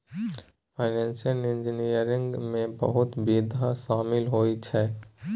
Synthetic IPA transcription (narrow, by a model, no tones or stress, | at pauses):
pʰaɪnɛ̃ːnsijənɪ̃nd͡ʒənijəɾɪ̃ŋɡmẽbə̰ɦʊt̪biːd̪ʱaʃaːmɪlɦoːit͡ʃʰɛː